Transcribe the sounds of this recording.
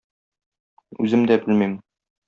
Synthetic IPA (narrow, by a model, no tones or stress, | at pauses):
ʉ̰zɘmd̪æbɘlmim